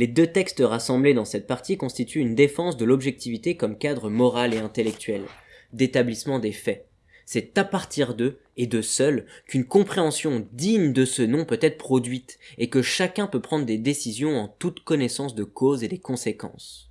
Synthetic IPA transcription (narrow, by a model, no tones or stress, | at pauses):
led̪øt̪ɛkst̪əʁasɑ̃bled̪ɑ̃sɛt̪̚paʁt̪ikɔ̃st̪it̪ʰyːnd̪efɑ̃sd̪əlɔbʒɛk̚t̪ivit̪ekɔmkad̪ʁəmɔʁaleɛ̃t̪elɛk̚t̪ɥɛl | d̪et̪ablismɑ̃d̪efɛ | sɛt̪apaʁt̪ʰiʁd̪ø | ed̪əsœlkynkɔ̃pχeɑ̃sjɔ̃d̪iɲd̪əsənɔ̃pøt̪ɛt̪χəpχɔd̪ɥit̪ekəʃakʲɛ̃pøpχɑ̃d̪ʁəd̪ed̪esizjɔ̃ɑ̃t̪ut̪kɔnɛsɑ̃sd̪əkʰozed̪ekɔ̃sekɑ̰̃s